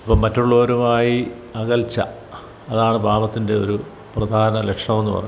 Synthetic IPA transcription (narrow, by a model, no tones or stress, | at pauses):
ɐpːɐmɐtːuɭːo̞ːɾumaːji | ɐɣɐlt͡ɕːɐ̰ | ɐðaːɳɨbʱaːʋɐt̪ːinde̞o̞̰ɾu | prɐd̪ʱaːɐnɐle̞kʂɳɐme̞nːupɐ̰rɐ̰ɲː